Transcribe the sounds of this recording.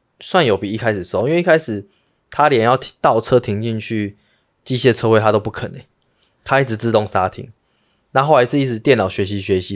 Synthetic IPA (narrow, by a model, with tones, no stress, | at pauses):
swa˥˩njo˨˩ʊpi˨i˥˧kʰa˦˥ɪʂɻ̩˨˩sɔ˥˨˩i˥ŋwe˥˨i˥kʰa˥ɪʂɻ̩˨˩ | t̪ʰa˦lɛ˨˩˦njɑ˥˨ʊ˨t̪ɑ˥˨ʊt͡sʰɤ˦t̪ʰi˧˥ŋt͡ɕi˥˧nt͡ɕʰy˥˩ | t͡ɕi˥˧ɕjɛ˥˧t͡sʰɤ˥xwe˥˧ɪt̪ʰa˦˥t̪o˥ʊp̬u˥˩kʰə˨˩nə˨˦ŋ | t̪ʰa˥i˥˩ʈ͡ʂɻ̩˧˩t͡sɹ̩˥˧t̪o˥˨˩ŋsa˥t̪ʰḭ˧˥ŋ | na˥˨xo˥˩ʊla˧ɪt͡s̩˥˧i˥˩t͡s̩˧˩˦t̪jɛ˥˩nɑ˨˩ʊɕɥɛ˧˥ɕ̬i˨˦ɕɥɛ˧˦ɕi˦